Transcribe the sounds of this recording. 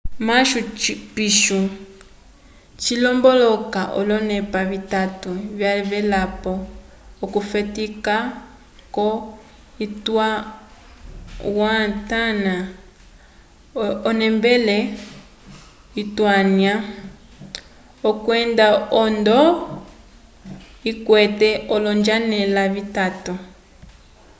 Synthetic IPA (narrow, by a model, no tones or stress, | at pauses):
maʃupiʃu | t͡ʃilɔmbɔlɔkaʔɔ̰lɔnɛpaβitatuβjaβɛlapɔː | kufɛtika | kɔ | itwa | watana | ɔnɛmbɛlɛ | itwanja | ɔkwɛndaɔndɔ | ikwɛtɛɔlɔnd͡ʒanɛlaβitatu